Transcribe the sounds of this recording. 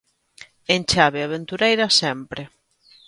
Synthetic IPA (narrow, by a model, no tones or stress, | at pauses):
ent͡ʃaβeaβ̞ent̪uɾejɾɐsɛmpɾɪ